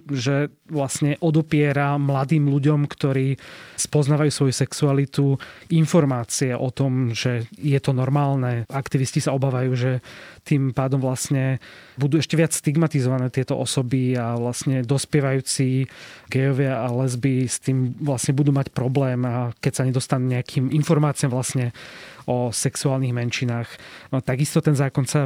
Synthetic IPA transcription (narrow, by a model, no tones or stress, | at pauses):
ʒɛ | ʋlasɲɛʔɔd̪ɔpɪɛɾamlad̪iːmluɟɔmkt̪ɔɾiːspɔznaːʋajuːsʋɔjusɛksualit̪uinfɔɾmaːt͡siɛʔɔt̪ɔmʒɛjɛt̪ɔnɔɾmaːlnɛakt̪iʋiscisaɔbaːʋajuːʒɛt̪impaːd̪ɔmʋlasɲɛbud̪uːɛʃcɛʋɪat͡sst̪iɡmat̪izɔʋanɛːt̪ɪɛt̪ɔʔɔsɔbiaʋlasɲɛd̪ɔspɪɛʋajuːt͡siɡɛjɔʋɪaalɛzbist̪iːmʋlasɲɛbud̪uːmacpɾɔblɛːmakɛcsaɲɛd̪ɔst̪anuɲɛakʰiːminfɔɾmaːt͡siamʋlasɲɛɔsɛksuaːlniɣmɛnʃinaːxt̪aɡist̪ɔt̪ɛnzaːkɔnsa